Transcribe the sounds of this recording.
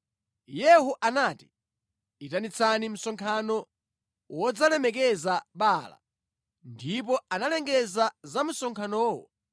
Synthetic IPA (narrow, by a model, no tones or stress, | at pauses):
jɛɦuʔanaːti̥ | itanit͡sʰanim̩sɔŋkʰanɔ | wɔd͡zalɛmɛk̬ɛzaɓaːla̰ | ndip̬ɔanalɛŋɡɛzazam̩sɔŋkʰanɔːwɔ̰